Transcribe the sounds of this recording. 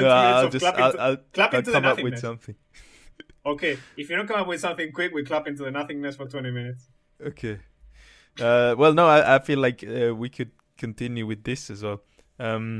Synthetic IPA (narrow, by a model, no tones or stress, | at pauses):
noaɪlˠd͡ʒʌaɪaɪlkʰl̥apɪnkʌ̃mnmʌpwɨðsʌ̃mθɪ̃ŋ | okʰeɪɪfjɨdõnkʌ̃mʌpwɨð̥sʌ̃mθɪ̃ŋkʰw̥ɪkwikʰl̥apɪ̃ntuðɨnʌθɪ̃ŋnɨsfə˞tʰw̥ɛ̃ñtimɪ̃nɪts | oʊkʰeɪ | ʌwɛlˠnoʊaɪʔaɪfilaɪkʰʌwikʰɨd̚ | kʰɨ̃ntʰɪ̃njʉwɨðɪsɨzwɛlˠ | ʌ̃m